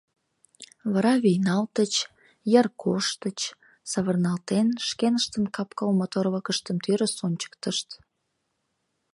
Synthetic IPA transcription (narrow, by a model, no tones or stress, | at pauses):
βəɾɑβijnɑlt̪ət͡ɕ | jərkʰoʃt̪ət͡ɕ | sɑβərnɑlt̪enʃkenəʃt̪ənkɑpkɑlmot̪oɾβəkəʃt̪əmt̪yɾəsonʲt͡ɕə̥k̚t̪əʃt̪